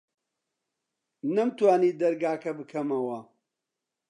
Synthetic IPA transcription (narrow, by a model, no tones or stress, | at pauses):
nɐmt̪waːniːd̪ɐɾɡaːkɐbɨkʰɐmɐwɐ